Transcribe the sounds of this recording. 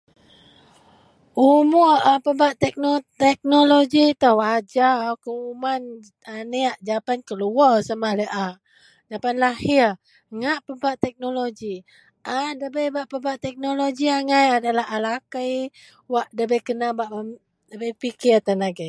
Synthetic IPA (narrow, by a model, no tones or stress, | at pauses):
ʔumʊʔapəbaʔt̪ɛk̚not̪ɛk̚noloɡit̪əwad͡ʒawkəuman | aneaʔd͡ʒapankəluɔsamaləʔa | d͡ʒapanlahi | ŋaʔpəbaʔt̪ɛk̚noloɡi | ʔadəbəjbaʔpəbaʔt̪ɛk̚noloɡiaŋajadalaɦalakəj | waʔdəbəjkənabaʔə | dəbəjpikit̪ənaɡəj